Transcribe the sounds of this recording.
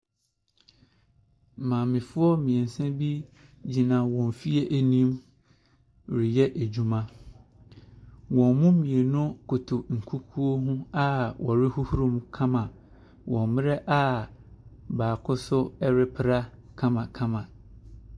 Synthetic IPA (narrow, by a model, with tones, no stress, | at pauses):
mãː˨mɪ̃˨fʊ˦ɔ˦mĩ˨ɛ˨n̩˨sɛ̃˦bi˦d͡ʑi˨nã˨wɔ̃˨m˨fi˦e˦ʔæ˨nĩ˦m | ɾɪ˨jɛ˦ʔæ˨d͡ʑu˦mã˦ | wɔ̃˨mmũ˦mĩ˨e˨nʊ̃˦kʰo˨tʰo˨ŋ̩˨kʰu˦kʰu˦o˦ɦũ˦a˦wʔɔ˨ɾɪ˦hu˦hu˦ɾũ˦mkʰã˦mã˨ | wʔɔ̃˨mmɪ̃˦ɾɛ˦ʔa˦ | baː˨kʰʊ˦sʊ˦ɛ˦ɾɪ˦pʰɪ˦ɾa˦kʰã˦mã˨kʰã˦mã˨